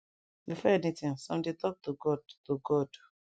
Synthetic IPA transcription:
bifɛɛnitĩŋsɔ̃mdetɔk̚tuɡɔdtuɡɔd

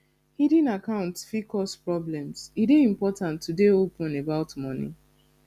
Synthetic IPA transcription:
hidĩnakãʊ̃ntfikɔspɹɔblɛ̃msideĩmpɔtãntʰːudeopũnebaʊtmɔ̃nḭ̃

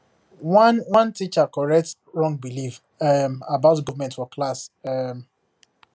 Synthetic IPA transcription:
anwãntit͡ʃakɔɹɛk̚t | ɹɔ̃ŋɡbilif | ɛmabaʊtɡɔvmɛ̃ntfɔklasɛm

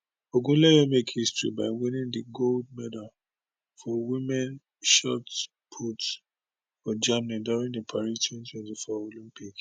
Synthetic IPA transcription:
oɡũlɛwɛmekhistɹḭbaɪwĩnĩndiɡold̚mɛdal | fɔwimɛ̃n | ʃɔt | pʰut | fɔd͡ʒamniduɹĩŋdəpʰaɹistʰwɛ̃ntwɛ̃ntifɔolĩmpik

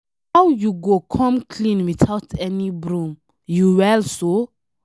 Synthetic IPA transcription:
hawjuɡokʰɔ̃mkʰlĩnwitʰawtʰɛnibɾũm | juwɛlso

